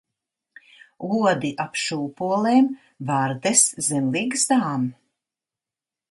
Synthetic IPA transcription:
uɔd̪iʔapʃuːpuɔlˠeːm | vaɾd̪eszɛmlˠiːɡzd̪aːm

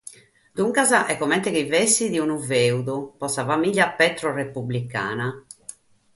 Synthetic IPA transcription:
d̪̥uŋkazaʔɛkːɔmɛnt̪ɛkivɛsiðiunuveuðupɔsavamiʎːapɛt̪ɾɔrepublika̰ːna

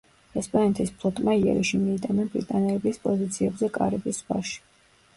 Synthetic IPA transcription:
ɛspʼanɛt̪ʰispʰlˠɔt̪ʼmaiɛ̰ɾiʃimiːt̪ʼamɛnbɾḭt̪ʼanɛlɛbispʼɔzit̪sʰiɛbzɛkʼaɾɛbisba̰ʃi̥

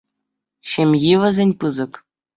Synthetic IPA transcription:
ɕɘ̆mʲjiʋʲɘ̆zʲenʲpɯzɤ̆k

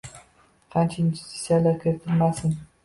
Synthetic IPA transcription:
qʰant͡ʃʰaind͡ʒust̪ʰi̥t̪sijalaɾkʲʰeɾt̪ʰɪɾmasɪn

